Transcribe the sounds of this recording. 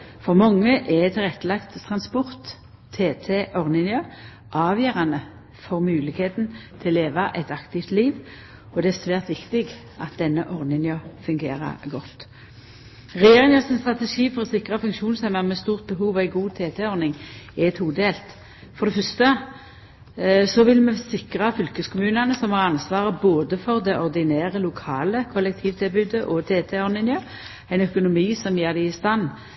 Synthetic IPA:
fɔʁmɑŋːəʔɛt̪ʰɪlʁɛt̪ːəlɑkt̪t̪ʰʁɑnspɔʁt̪ʰː | eːt̪ʰeʔɔʁnɪŋjə | ʔɑːʋjøːʁɑnə | fɔʁmʉːlɪkheːt̪n̩t̪ʰɪlːeːʋɑʔɛt̪ɑkt̪ɪft̪liːʋ | ɔd̪ɛæʁsʋæːʁt̪ʋɪkt̪ɪɡ | ʔɑt̪̚d̪ɛnːəʔɔʁnɪŋjɑfʉŋɡeːʁɑ̰ɡɔt̪ː | ʁɛjeːʁɪŋjœʁsɪnst̪ʁɑt̪ɛʂiːfɔʁɔsɪkʁɑfʉŋkʃuːnsæmɑmɛst̪uːʁt̪̚bəɦuːʋæɪɡuːt̪ʰeːt̪ʰɛɔʁnɪŋɛɛt̪huːd̪əd̪eːlt̪ | fɔʁd̪ɛfœst̪ə | sɔʋɪlməsɪkʁɑfʏlkəskʰʊmʉːnɑnəsɔmhɑːʁɑnsʋɑːʁəboːd̪əfɔʁd̪ɛʔɔʁd̪ɪnæːʁəlʊkʰɑːləkʰɔlːɛk̚t̪ʰiːʋt̪ʰɪlbʉːd̪əʔɔt̪ʰeːt̪ʰɛɔʁnɪŋjɑ | æɪnœkʊnʊmiːsɔmjeːʁd̪æɪst̪ɑnː

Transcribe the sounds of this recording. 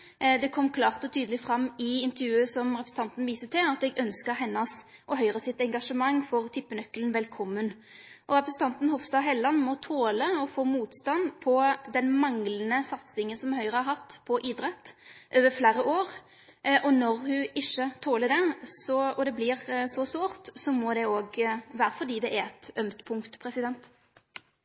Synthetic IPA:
d̪ɛkʰɔmːkʰlɑːʁt̪ɔt̪ʰyːd̪əlɪfɾɑmːɪɪnt̪əɾjʉːəsɔmɾɛpɾsn̩t̪ɑnt̪n̩ʋiːsət̪ʰɪlɑt̪ɛɡœnskəɾɦɛnːɑsʔɔɦœʏɾəsɪt̪ɛŋɡɑʂəmɑŋːfɔʁt̪ʰɪpːənœkːlənʋɛlkʰɔmːən | ʔɔɾɛpɾəsn̩t̪ʰɑnt̪n̩hɔfst̪ɑːɦɛlːɑnːmɔt̪ʰoːləɔfoːmuːt̪st̪ɑnpʰɔd̪ɛnmɑŋlənəsɑt̪sɪŋənsɔmɦœʏɾəhæɾɦɑt̪ːpʰɔʔid̪ɾɛt̪ːʔøːʋəɾflæːɾəʔoːʁ | ʔɔnɔɾhʉʔɪʃːət̪ʰoːlədɛsɔɔd̪ɛblɪʁsɔsʋoːɾt̪sɔmɔd̪ɛoːɡʋæːɾəfɔd̪iːd̪ɛʔæɛt̪œmt̪pʰʊŋkt̪pʰɾɛsɪd̪ɛnt̪

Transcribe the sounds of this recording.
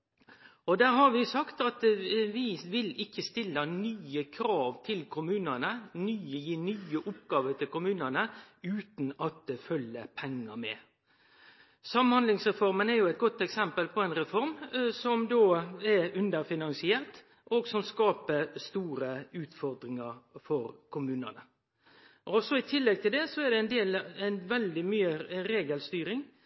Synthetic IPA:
ɔd̪æːɾɦɑɾʋɪsɑkt̪ɑt̪ʋɪʋɪlɪkːəst̪ɪlːənyːəkʰɾɑːʋt̪ʰɪlkʰʊmʉːnənənyːəjiːnyːəʔʊpɡɑːʋəɾt̪ʰɪlkʊmʉːnənə | ʉːt̪nɑt̪̚d̪fœljəpʰɛŋːəmɛ̰ | sɑmːənhɑnd̪lɪŋsʁɛfɔɾmənæɾjʊɛɪt̪ɡɔt̪ːɛksɛmpəlpʰɔɛɪnɾɛfɔɾmsɔmd̪oːɛɾʉnd̪əɾfɪnɑnsɪɛːʁt̪ | ʔoːɡsɔmskɑːpəɾst̪uːɾəʉːt̪fɔɾd̪ɾɪŋəɾfɔɾkʰʊmʉːnənə | ʔɔsɔɪt̪ʰɪlːɛɡ̚t̪ʰɪld̪ɛsɔɛd̪ɛɪnd̪eːlɛnʋɛld̪ɪmyːəɾeːɡəlst̪yːɾɪŋ

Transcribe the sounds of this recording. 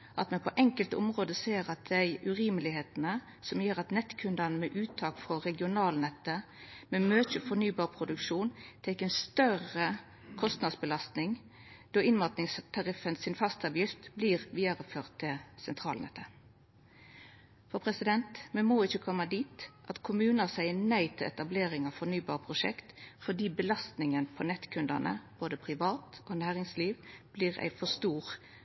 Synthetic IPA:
ʔɑt̪mɛnpʰɔʔɛŋkəlt̪ʊ̰mʁoːd̪əseːʁɑt̪̚d̪æɪʉʁiːməlɪheːt̪ənə | sɔmjøːʁɑt̪nɛt̪ːkʰʉnd̪ɑnəmɛʔʉːt̪ʰːɑːkfʁɔɾɛɡɪʊnɑːlnɛt̪ːə | mɛmøːt͡ʃəfɔʁnyːbɑːʁpʰɾʊd̪ʉkʂuːnt̪ʰɛɪkːɛnst̪œʁə | kʰɔst̪nɑd̪sbəlɑst̪nɪŋ | d̪̥oːɪnmɑt̪nɪŋst̪ʰɑʁɪfənsɪnfɑst̪ɑʋjɪft̪bliːʁʋiːəʁəføːʁt̪ʰːɪlsɛnt̪ʰɾɑ̰ːlnɛ̰ːt̪ʰə | fɔpʰʁɛsɪd̪ɛnt̪mɛnmoːɪçəkʰɔmːəd̪iːt̪ʔɑt̪kʰʊmʉːnəsæɪənæɪt̪ʰɪlɛ̰t̪ɑbleːɾɪŋɑʋfɔʁnyːbɑːʁpʰʁʊʂɛ̰kt̪fɔd̪iːbəlɑst̪nɪŋənpʰɔnɛt̪kʰʉnd̪ə̰nʔə̰b̥oːd̪əpʰʁɪʋɑːt̪oːnæːʁɪŋsliːʋb̥liːʁæ̰ɪfɔst̪uːʁ

